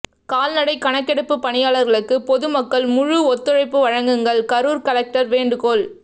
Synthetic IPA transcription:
kaːlnɐɽɐɪkɐɳɐkːɛɽɯpːɯpːɐɳɪjaːlɐɾɣɐɭɯkːɯpɔðɯmɐkːɐɭmʊɻuɔt̪ːɯɻɐɪpːɯʋɐɻɐŋɡɯŋɡɐɭkɐɾuːɾkɐlɛk̚ʈɐɾʋeːɳɖɯkoːl

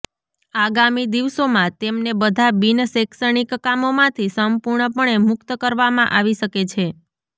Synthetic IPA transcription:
aɡamid̪iʋsomãt̪emnebəd̪ʱabinəseksəɳ̃ikːamomãt̪ʰisəmpuɾɳəpəɳemʊkt̪əkəɾʋamã̰ʔaʋiʃəket͡ʃʰe

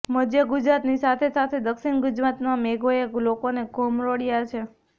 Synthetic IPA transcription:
məd̪jəɡʊd͡ʒɾat̪nisat̪ʰesat̪ʰed̪əkʃiɳɡʊd͡ʒɾat̪mãmeɡojelokoneɡʱomɾoɽjat͡ʃʰe

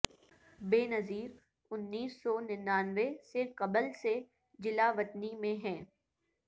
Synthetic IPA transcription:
beːnɐziːɾ | ʊnːiːsːɔːnɪnːaːnʋesekɐbəlse | d͡ʒɪlaʋɐt̪nimẽɦɛ̃ː

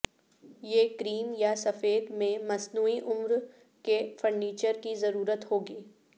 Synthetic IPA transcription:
jeːkɾiːmjasɐfeːd̪mẽmɐsnuːiʔʊmɾ | kefəɾɖiːt͡ʃəɾkizɐɾuːɾət̪ɦoːɡiː

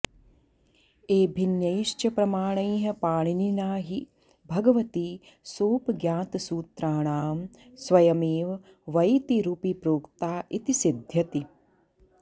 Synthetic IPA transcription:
eːbʱinjɐjiʃt͡ʃɐpɾɐmaːɳɐjɦɐpaːɳininaːɦi | bʱɐɡɐʋɐt̪i | soːpɡjaːt̪suːt̪ɾaːɳaːm | sʋɐjɐmeːʋɐ | ʋɐjt̪iɾupipɾoːkt̪aːʔit̪isid̪ʱjɐt̪i

